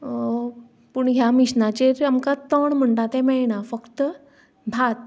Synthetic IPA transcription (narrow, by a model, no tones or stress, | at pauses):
puɳɦjamiɕnat͡ɕeɾamkat̪əɳm̤əɳʈat̪ɛ̃mɛnafəkt̪ | bʱat̪̚